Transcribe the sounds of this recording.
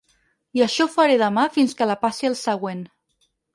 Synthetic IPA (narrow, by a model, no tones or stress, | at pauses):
iəʃɔfaɾeðəmafinskəlapasiəlˠsəɣ̞wen